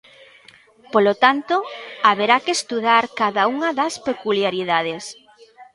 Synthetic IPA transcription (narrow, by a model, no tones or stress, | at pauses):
polot̪ant̪oaβeɾakest̪uðaɾkaðauŋɐðɐspekuljaɾiðað̞es